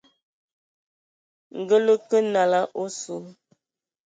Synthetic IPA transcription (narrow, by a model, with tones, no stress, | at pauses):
ŋ̩˨ɡə˦lə˦kə˦na˨la˦ʔo˦su˨